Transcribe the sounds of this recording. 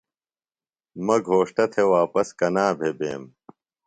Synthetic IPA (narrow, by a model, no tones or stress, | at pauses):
mɐɡʱoːʂʈɐt̪ʰewaːpɐskɐnaːbʱebḛːm